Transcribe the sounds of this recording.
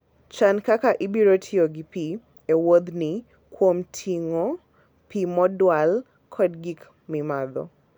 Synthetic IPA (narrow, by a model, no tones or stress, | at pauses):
t͡ʃankakaʔibiɾotʰioɡipi | ewod̪ni | kʰwomtʰiŋɔ | pimɔdwal | kʰɔdɡik | mimaðɔ̰